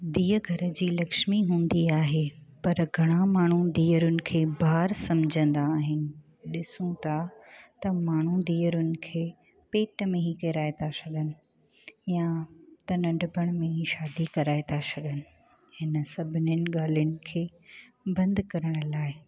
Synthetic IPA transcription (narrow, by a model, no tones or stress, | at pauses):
d̪iːəɡʱɐɾə̆d͡ʑiːlɐkʃmiɦũːnd̪iaːɦepɐɾɡʱɐɽ̃ãmaːɳ̤ũd̪iːəɾʊnɪ̆kʰeːbʱaːɾsɐmd͡ʑʱə̃nd̪aːɦɪnɪ̆ | ɗɪsũt̪ʰat̪ɐmaːɳ̤ud̪iːəɾʊnɪ̆kʰeː | peːʈmẽɦikɐɾaːet̪ʰasɐɗənɪ̆ | jãt̪ɐnɐ̃ɳɖbəɽ̃mẽɦiʃaːd̪ikɐɾaːet̪ʰasɐɗənɪ̆ | hɪnə̆sɐbʱɪnʊnɪ̆ɠaːljʊnɪ̆kʰeː | bɐ̃nd̪kɐɾəɽ̃laːɪ